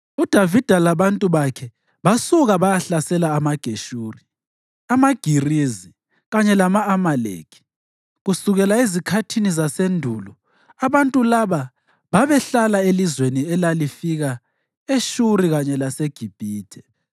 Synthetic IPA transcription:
ud̥ʱavid̥ʱalaβantʼuβakʰɛ | βasuɣaβajaɬasɛlaːmaɡ̥ʱeʃuːri | amaɡ̥ʱirizi | ɣaɲɛlamaːmalḛkʰi̥ | ɣusuɣɛlaezikʰatʰinizasendʱuːlɔ | aβantʼulaβa | βaβɛɬalaelizweniɛlalifiɣa | eʃuɾiɣaɲɛlaseɡ̥ʱib̥ʱiːtʰɛ

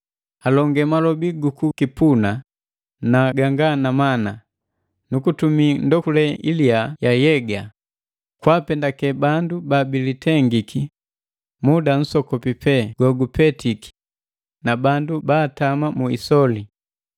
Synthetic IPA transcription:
alɔŋɡɛmalɔbiɡukukipuna | naɡaŋɡanamana | nukutumindɔkulɛiliajajɛɡa | kwapɛndakɛbandubabilitɛŋɡikʰi | mudan̩sɔkɔpipɛɡ̥wɔɡupɛtiki̥ | nabandubaːtamamuḭsɔli

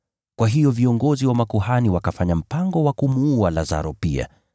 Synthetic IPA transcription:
kwaɦijɔviɔŋɡɔziwamakuɦaniwakafaɲam̩paŋɡɔwakumuualaza̰ɾɔpḭa̰

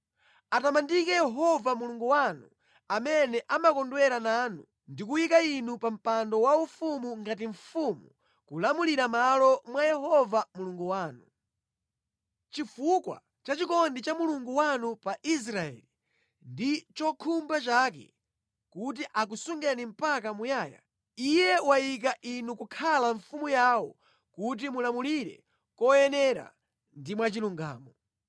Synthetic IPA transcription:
atamandikɛjɛɦɔvamuluŋɡuwanu | amɛnɛʔamakɔndwɛɾanaːnu | ndikuwikainupam̩pandɔwaufumuŋɡat̬iɱfumu | kulamuliɾamalɔmwajɛɦɔvamuluŋɡuwaːnu | t͡ʃifukwa̰ | t͡ʃat͡ʃikɔndit͡ʃamuluŋɡuwanupaʔis̬ɾaɛ̰ːli | ndit͡ʃɔkʰumbat͡ʃaːk̬ɛ̰ | kut̬iʔak̬usuŋɡɛnim̩pakamujaːja̰ | ijɛwajik̬aʔinukukʰalaɱfumujawɔ | kut̬imulamuliɾɛ̰ | kɔjɛnɛɾa̰ | ndimwat͡ʃiluŋɡa̰ːmɔ

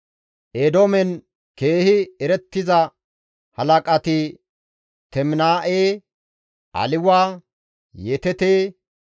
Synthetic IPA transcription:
ʔeːd̪oːmɛn | ke̞ːhɪɛɾɛt̪ːɪzɐ | hɐlɐkʼɐt̪ɪ | t̪ɛmnaːʔeː | ʔɐ̰lɪwaː | jet̪ɛt̪eː

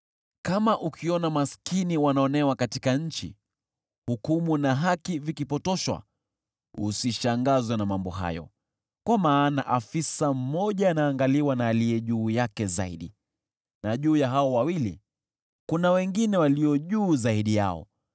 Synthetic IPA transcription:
kamaʔukʰiɔnamaskiniwanaɔnɛwakatikaɲ̩t͡ʃḭ | hukumunaɦakivikipɔtɔʃwa̰ | ṵsiʃaŋɡazwanamambɔɦa̰jɔ̰ | kwamaːnaʔafisam̩mɔʄaːnaːŋɡaliwanaːlijɛʄuːjakɛzaiɗi | naʄuːjaɦaɔwawilḭ | kunawɛŋɡinɛwaliɔʄuːzaiɗija̰ɔ̰

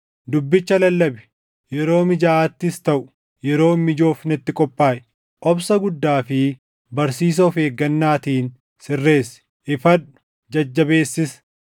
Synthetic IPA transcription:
d̪ʊbːɪt͡ʃːɐlɐlːɐbɛ̥ | jɛɾo̞ːmɪd͡ʒɐaːt̪ːɪst̪ɐʔʊ̥ | jɛɾo̞ːmɪd͡ʒo̞ːfnɪt̪ːɪkʼɔpʼːaːʔɛ | ʔɔbsɐɡʊd̪ːaːfɪ | bɐɾsiːs̬ɐfeːɡːɐnːaːt̪iːn | sɪrːe̞ːs | ʔɪfɐᶑʊ̥ | d͡ʒɐd͡ʒːɐbeːsːɪs

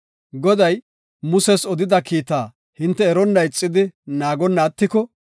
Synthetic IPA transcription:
ɡɔd̪ɐj | mʊsɛsɔd̪ɪd̪ɐkiːt̪aː | hɪnt̪ːɛːɾɔnːɐɪt͡sʼːɪd̪ɪnaːɡɔnːɐːt̪ːɪkɔ

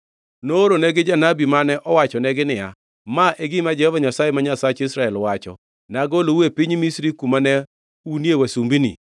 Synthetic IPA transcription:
nooɾonɛɡɪd͡ʒanabimanɛʔɔwat͡ʃɔnɛɡɪnɪja̰ | maʔeɡɪmad͡ʒɛhɔvaɲasajemaɲasat͡ʃisɾaɛlwat͡ʃɔ̰ | naɡolowepiɲmisɾikumanɛ | unjewasumbinḭ

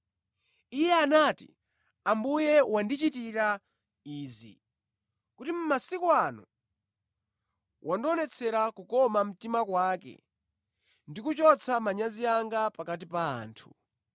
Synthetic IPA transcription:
ijɛanatḭ | ambujɛwandit͡ʃitiɾa | iːzḭ | kutim̩masikɔanɔ̰ | wʔandɔnɛt͡sʰɛɾakukɔmam̩timakwaːkɛ̰ | ndikut͡ʃɔt͡sʰamaɲaziaŋɡapakatipa̰ːntʰu

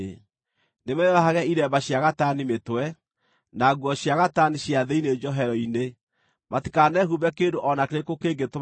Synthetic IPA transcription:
nemɛwaɦaɣɛiɾɛbaɕjaɣatanimetwɛ | naɣwɔɕjaɣataniɕjaðeined͡ʒɔɦɛɾɔine | matikanɛɦuβɛkendoʔɔnakeɾekokeːŋɡeto

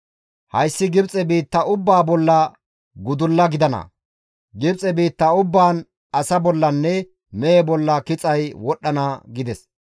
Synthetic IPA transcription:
hɐjsːɪɡɪbt͡sʼɛbiːt̪ːɐʊbːaːbɔlːɐ | ɡʊd̪ʊlːɐɡɪd̪ɐnɐ̰ | ɡɪbt͡sʼɛbiːt̪ːɐʊbːaːn | ɐsɐbɔlːɐnːɛ | mɛɛbɔlːɐkɪt͡sʼɐjwɔɗːɐnɐɡɪd̪ɛs

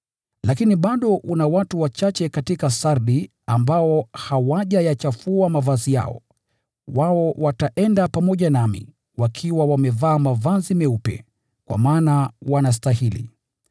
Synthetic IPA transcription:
lakiniɓaɗɔʔunawatuwat͡ʃat͡ʃɛkatikasaɾɗi | ambaɔhawaʄajat͡ʃafuamavazija̰ɔ̰ | waɔwataʔɛndapamɔʄanamḭ | wakʰiwawamɛvaːmavazimɛupɛ̰ | kwa̰maːnawanas̬tahilḭ

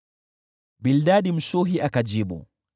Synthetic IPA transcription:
bildaɗim̩ʃuɦiʔakad͡ʒiɓṵ

